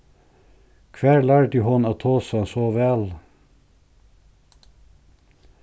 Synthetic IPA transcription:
kʰʋæːɹɭæːɖʉːhɔnɑːt̪ʰoːsɑsoːʋɛl

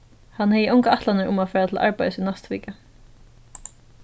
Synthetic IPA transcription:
hanhɛjəʊwŋkaaht̪lanɪɾʊ̰mafɛːɾat̪ʰɪlʔa̰ɹpajðsɪnast̪ʋḭːka

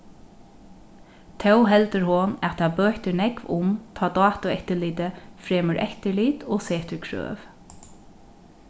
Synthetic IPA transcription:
t̪ʰɛwɦɛlt̪əɾhʊnɛt̪ʰabøːht̪ənɛkʋʊ̰mt̪ʰɑːd̪ɑːt̪ʊɛht̪əliːt̪əfɾeːməɹʔɛ̰ht̪əliːt̪ɔːseːht̪əɹkʰɹø̰ːʋ

